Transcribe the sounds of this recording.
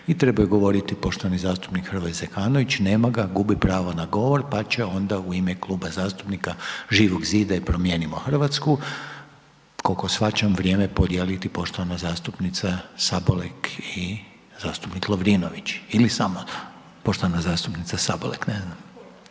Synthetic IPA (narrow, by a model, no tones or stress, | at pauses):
it̪ɾe̞bajuɡo̞ʋo̞ɾit̪ipo̞ʃt̪oanizaːst̪u̥pnikxərʋozekaːnoʋit͡ɕne̞ːmaɡaɡubipɾaːʋonaɡo̞ʋo̞ɾpat͡ɕeo̞nd̪auimeklˠuːbazaːst̪u̥pnikaʒiːʋoɡziːd̪aipɾo̞mje̞ːnimoxr̩ʋat̪sku | kolkosʋat͡ɕamʋɾje̞ːmepod̪jelit̪ipo̞ʃt̪o̞ʋanazaːst̪upnit̪sasaboleki | zaːst̪upniklˠoʋɾiːnoʋit͡ɕilisamo | poʃt̪oʋanazaːst̪upnit̪sasabolekneznam